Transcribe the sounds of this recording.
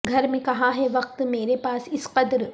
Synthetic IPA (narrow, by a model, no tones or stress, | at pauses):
ɡʱɐɾmẽkɐɦãɦɛʋɐq̚t̪meːɾepaːsɪsqɐd̪ɾ